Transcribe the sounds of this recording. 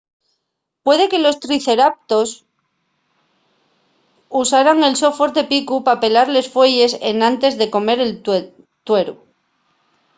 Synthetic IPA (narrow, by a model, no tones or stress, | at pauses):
pwe̞ðe̞ke̞lo̞st̪ɾiθe̞ɾap̚t̪o̞s | usaɾaŋe̞lso̞fo̞ɾd̪e̞pikupape̞laɾle̞sfwe̞ʝe̞se̞̰nãnt̪e̞zðe̞ko̞me̞ɾe̞l | t̪we̞ɾu